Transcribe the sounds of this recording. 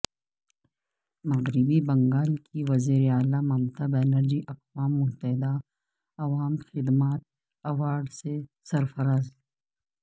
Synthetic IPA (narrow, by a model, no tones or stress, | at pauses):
mɐɣɾɪbibɐ̃ŋɡaːlkʰiʋɐziːɾeaːlamɐmt̪ɐbeːnəɾd͡ʒiʔɐqwaːmːʊt̪ɐɦɪd̪a | ɐʋaːmxɪd̪maːt̪̚ | ɐʋaːɾɖse | sɐɾfɐɾaːz